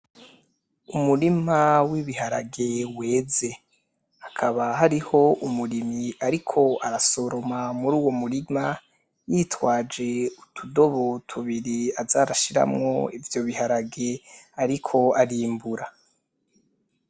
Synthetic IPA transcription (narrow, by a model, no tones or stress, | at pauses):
umuɾimawiβihaɾaɡe̞we̞ːze̞ | akʰaβaɦaɾiho̞umuɾimiaɾikʰo̞aɾaso̞ɾo̞mamuɾuːwo̞muɾima | jiːtwaːd͡ʒe̞utʰudo̞βotʰuβiɾiazaɾaʃiɾa̰mŋo̞̰ivjo̞βiɦaɾaɡe̞aɾikʰo̞aɾiːmbuɾa